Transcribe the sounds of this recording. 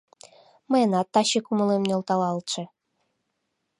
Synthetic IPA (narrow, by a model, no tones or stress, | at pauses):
mɤjenɑt̪ːɑɕekumə̆lˠemnʲolˠt̪ɑlˠɑlt̪t͡ʃĕ